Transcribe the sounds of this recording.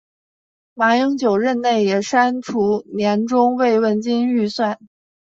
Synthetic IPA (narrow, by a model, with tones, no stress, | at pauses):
ma˧˥ji˧˥ŋt͡ɕjo˨˩ʊɻə˥˧nne˥˩ɪjɛ˨˩ʂa˥nʈ͡ʂʰu˧˥njɛ˧˥nʈ͡ʂʊ˥ŋwe˥˧ɪwə˥˩nt͡ɕi˥ny˥˧swa˥˩n